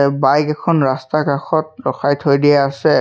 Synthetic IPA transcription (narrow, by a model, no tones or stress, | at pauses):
bajkɛkʰɔnɹastakɹaxɔt̚ɹɔxajtʰojdijaasɛ